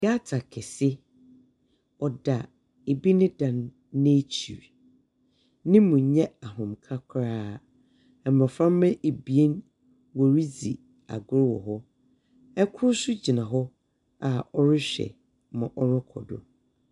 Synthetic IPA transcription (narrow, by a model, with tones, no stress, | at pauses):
ja˦tʰa˨kʰɛ˨sɪ˦ | ɔ˨da˨ | e˨bi˦nɪ̃˦dã˨nː | ẽ˦t͡ɕʰi˨ɾ | nɪ̃˦mũ˨ɲɛ̃˦a˨ɦʊ̃˨mkʰa˦kʰɾaː˦ | ɛ˨m˨ɔ˨fɾã˦mː˦ɛ̃˦ʔe˨bi˨e˦n | wɔ˨ɾi˦d͡zi˨ | a̰˨ɡʊ˦ɾwɔ̰˨ɦɔ˦ | ɛ˦kʰʊ˦ɾsʊ˦d͡ʑi˨nã˨ɦɔ˦ | a˨ɔ˦ɾɪ˦ɕᶣɛ̰˨ | mã˨ʔɔ˦nɔ˦kʰɔ̰˨dʊ̰˨